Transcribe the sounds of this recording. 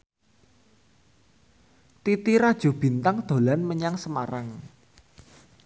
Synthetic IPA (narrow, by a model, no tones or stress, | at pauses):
t̪it̪iɾad̥ʒ̥o̤b̥i̤nt̪aŋd̪̥o̤lanməɲaŋsəmaɾaŋ